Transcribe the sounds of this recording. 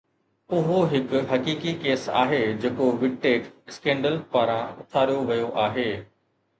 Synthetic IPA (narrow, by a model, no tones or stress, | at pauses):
ʊɦoɦɪkʊɦɐkiːkikeːsa̰ːɦeːd͡ʑeːkoʋɪɖ̚ʈeːʈɪskẽːɳɖəlpaːɾãʊt̪ʰaːɾjoʋɐjoʔaːɦeː